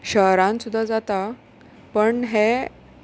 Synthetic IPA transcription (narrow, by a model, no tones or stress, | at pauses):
ɕəɦɾãnsud̪ʱːad͡zat̪a | pəɳɦe